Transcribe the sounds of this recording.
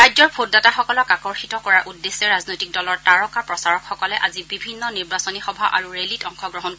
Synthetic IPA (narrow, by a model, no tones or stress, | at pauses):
ɹajzɔɹpʰotdataxɔkɔlɔkakɔɹxitɔkɔɹaʔudːesːɛɹaznojtik̚dɔlɔɹtaɹɔkaɹpɹɔsaɹɔkxɔkɔlɛʔazibibʱinːɔniɹbasɔnixɔbʱaʔa̰ɹuɹelitɔŋxɔɡɹɔɦɔn